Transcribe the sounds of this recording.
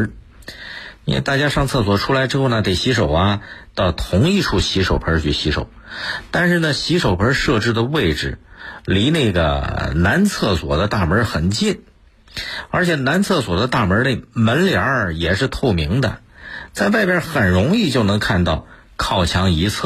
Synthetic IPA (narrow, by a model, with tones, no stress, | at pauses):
i˥nwḛ˥˧t̪a˥˩t͡ɕja˥ʂɑ˥˧ŋt͡sʰɤ˥˩swɔ˨˩ʈ͡ʂʰu˥la˧˥ɪʈ͡ʂɻ̩˥xo˥˩ʊnə˩t̪e˨˩ɪɕi˧˥ʂo˨˩ʊɐ˧t̪ɑ˥˩ʊt̪ʰʊ˧˥ŋi˥˧ʈ͡ʂʰu˥˩ɕi˧˥ʂo˨˩ʊpʰə˞˧˥t͡ɕʰy˥˩ɕi˧˥ʂo̰˨˩˦ʊt̪a˥˧nʂɻ̩˥˩nə˩ɕi˧˥ʂo˨˩ʊpʰə˞˧˥ʂɤ˥˧ʈ͡ʂɻ̩˥˩d̪ə˩we˥˩ɪʈ͡ʂɻ̩˨˩li˧˥ne˥˩ɡə̰˩na˧˥nt͡sʰɤ˥˩swɔ̰˨˩d̪ə˦t̪a˥˩mə˞˧˥xə˨˩nt͡ɕi˥˩n | ə˞˧˥t͡ɕʰjɛ˨˩na˧˥nt͡sʰɤ˥˩swɔ˨˩d̪ə˦t̪a˥˩mə˧˥le˥˩ɪmə˧˥nljɑ˧˥jɛ˨˩ʂɻ̩˥˧t̪ʰo˥˩ʊmi˧˥ŋd̪ə̰˧ | t͡sa˥˧ɪwa˥˧ɪpjɛ˥˧xə˨˩nɻʊ˧˥ŋi˥˧t͡ɕjo˥˩ʊnɤ˧˥ŋkʰa˥˧nt̪ɑ˥˩ʊ | kʰɑ˥˩ʊt͡ɕʰjɑ˧˥ŋi˧˥t͡sʰɤ˥˩